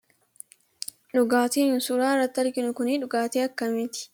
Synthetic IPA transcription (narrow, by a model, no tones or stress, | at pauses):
ᶑʊɡaːt̪eːnʊnsʊɾaːrːɐt̪ːɐɾkɪnʊkʊniːᶑʊɡaːt̪eːɐkːɐmɪt̪ɪ̥